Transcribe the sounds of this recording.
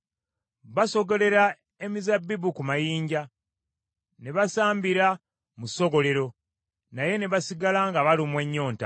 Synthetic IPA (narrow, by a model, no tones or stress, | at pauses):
βaso̞ɡo̞le̞ɾa | e̞mizabːibukumajiːɲɟa | ne̞βasaːmbiɾa | muso̞ɡo̞le̞ɾo̞ | naje̞ne̞βasiɡalaŋɡaβalimwe̞ɲːo̞ːnta